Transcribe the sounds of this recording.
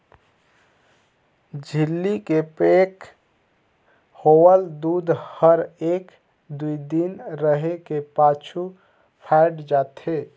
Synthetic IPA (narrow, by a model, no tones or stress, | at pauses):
d͡ʒʱilːikepek | howəld̪ud̪ʱhəɾek | d̪uid̪inɾəɦekepat͡ʃʰu | pʰaɪɖd͡ʒat̪ʰe